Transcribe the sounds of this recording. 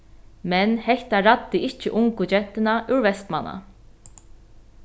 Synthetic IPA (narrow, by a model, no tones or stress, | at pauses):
mɛnhɛçt̪aɾad̪ːɪʔɪht͡ʃʰɪʔʊŋkɡud͡ʒɛt̪ːɪnaʔuɹvɛst̪mana̰